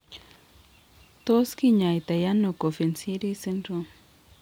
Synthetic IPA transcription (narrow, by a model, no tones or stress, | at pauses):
t̪oskiɲajt̪ajanokofensiɾisentɾo